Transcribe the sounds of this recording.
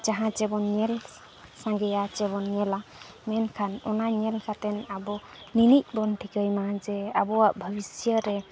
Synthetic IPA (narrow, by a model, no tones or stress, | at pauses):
d͡ʒaɦãt͡ʃɛbɔnɲɛl | sãŋɡɛjat͡ʃɛbɔnɲɛla | mɛnkʰanɔnaɲɛlsʰat̪ɛnabɔ | ninic̚bɔnʈʰikəjmad͡ʒɛabɔaʔbʱəbisjəɾɛ